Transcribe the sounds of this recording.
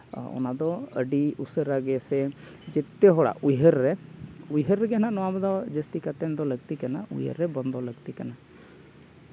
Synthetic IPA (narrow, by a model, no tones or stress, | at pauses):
ɔ̰nad̪ɔə̰ɖiusəɾaɡɛsɛ | d͡ʒɛt̪ːɛɦɔɽa̰ʔujɦəɾːɛujɦəɾːɛɡɛnanɔwabɛd̪ɔd͡ʒəst̪ikat̪ɛnd̪ɔləɡt̪ikanaṵjə̰ɾːɛbɔnd̪ʱɔləɡt̪ikana